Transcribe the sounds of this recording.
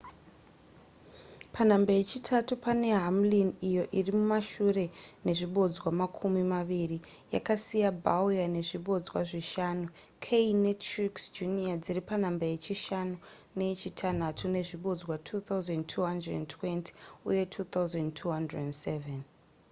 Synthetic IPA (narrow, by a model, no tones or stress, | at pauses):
pʰanambaje̞t͡ʃitʰatupane̞ɦamlinijo̞ʔirimumaʃure̞ne̞ʐiɓo̞d͡zwamakʰumimaʋiri | ja̰kasijabawjane̞ʐiɓo̞d͡zwa̰ʐiʃaːnu | kʰeinetriksd͡ʒuniad͡ziripanambaje̞t͡ʃiʃanu | ne̞t͡ʃitʰanatʰune̞ʐiɓo̞d͡zwatʰut̪auzentʰuɦandredentʰwe̞ntʰi̥ṵje̞tʰuːt̪awzentʰuɦandredendseven